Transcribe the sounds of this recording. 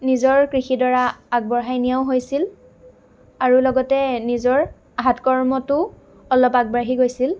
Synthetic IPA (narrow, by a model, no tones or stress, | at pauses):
nizɔɹkɹixidɔɹaaɡ̚bɔɹɦajnijaʊ̃ɦojsil | aɹulɔɡɔtɛnizɔɹ | ɦatkɔɹmɔtʊ | ɔlɔpaɡ̚baɹɦiɡojsil